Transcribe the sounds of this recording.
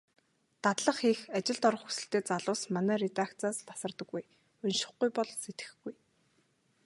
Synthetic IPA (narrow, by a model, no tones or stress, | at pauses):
t̪at̪ɮə̆χixat͡ɕɪ̆ɮt̪ɔɾə̆χxu̥sɘ̆ɬt̪eːt͡saɮʊːsmanæːɾet̪akt͡saːst̪ʰḁsə̆rt̪ə̆ɡːuj | ɵnʃɪ̆χɡujpɔɮset̪ɡɘ̥̆xɡuj